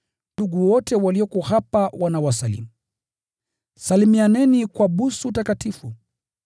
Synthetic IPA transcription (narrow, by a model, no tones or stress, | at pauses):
duɡuwɔtɛwaliɔkɔhapawʔanawasalḭmu | salimianɛnikwaɓusuutakatifu